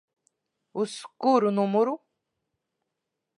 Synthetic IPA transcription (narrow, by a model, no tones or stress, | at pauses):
uskuɾunumuɾu